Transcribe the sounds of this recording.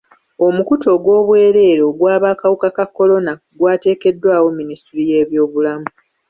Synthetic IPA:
o̞mukuto̞ɡwo̞ːβwe̞ːɾe̞ːɾo̞ɡwaːβaːkawukakakːo̞lo̞na | ɡwaːte̞ːke̞dːwaːwo̞ministiɾije̞ːβjo̞ːβulamu

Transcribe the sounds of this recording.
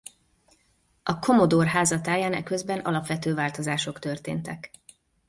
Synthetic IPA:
ɒkʰo̞mo̞d̪orɦaːzɒt̪aːjaːnɛ̰kø̞zbɛnʔɒ̰lɒpʋɛt̪øːvaːlt̪o̞zaːʃo̞kt̪ø̞rt̪ḛːnt̪ɛk

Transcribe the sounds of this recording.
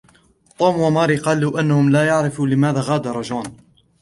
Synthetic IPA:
t̪ˤuːmwamɑːɾiːqɑːluːʔanːahʊmlaːjaʕɾɪfulɪmaːðaːɣaːd̪ɑɾˤɑd͡ʒuːn

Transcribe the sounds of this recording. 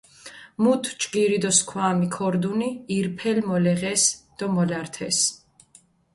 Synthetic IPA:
mut̪ʰt͡ʃɡiɾid̪ɔskʰwaːmikʰɔɾd̪uniːɾpʰɛlmɔlɛʁɛsd̪̥ɔmɔlaɾt̪ʰɛs

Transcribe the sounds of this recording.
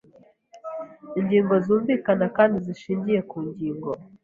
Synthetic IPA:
iɲɟiːŋɡo̞zuːɱviːkanakaːndiziʃiːɲɟije̞kuːɲɟiːŋɡo̞

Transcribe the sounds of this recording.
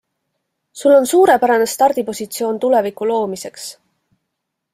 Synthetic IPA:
sulːo̞nsuːɾe̞pæɾɑne̞st̪ɑrd̪̥ipo̞sit̪sio̞ːnt̪ule̞vikːˑulo̞ːmise̞ks

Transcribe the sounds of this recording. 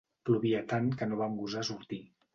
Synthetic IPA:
pluβiət̪ankənoβamɡuzasuɾt̪i

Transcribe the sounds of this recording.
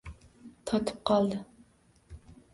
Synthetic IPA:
t̪ʰɑt̪ʰɨ̥p̚qʰɑlˠd̪ɨ

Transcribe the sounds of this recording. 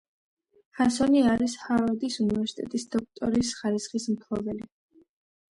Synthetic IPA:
χasɔniaɾishavad̪isunivɛɾsi̥t̪ʼɛ̰t̪ʼisd̪̥ɔk̚ʰt̪ʼɔɾisχaɾisχismt̪ʰɔbɛli

